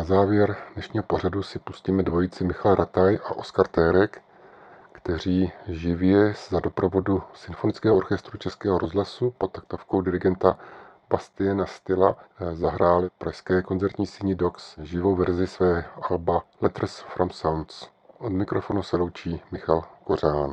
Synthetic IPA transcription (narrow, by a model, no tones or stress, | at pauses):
nazaːvjɛɾd̥nɛʃɲiːɦopor̝adusɪpu̥sciːmɛdvo̞jit͡sɪmɪxalɾʔat̪ajʔa̰ʔo̞skaɾt̪ɛːɾɛk | kt̪ɛr̝iːʒɪvjɛszado̞pɾo̞vo̞dusɪnfo̞nɪt͡skɛːɦoʔoɾxɛst̪ɾut͡ʃɛskɛːɦo̞ɾozɦlasupot̪̚t̪ak̚t̪ofkowdɪɾɪɡɛnt̪a | b̥ast̪ɪjɛnast̪ɪlazaɦɾaːlɪpɾʔaʃskɛːko̞nt͡sɛɾt̪ɲiːsɪɲɪdo̞ksʒɪvo̞wvɛɾzɪsvɛːʔalbalɛt̪r̩sfɾʔamsawnt̪s | ʔo̞dmɪkɾofo̞nusɛlo̞wt͡ʃiːmɪxalko̞raːn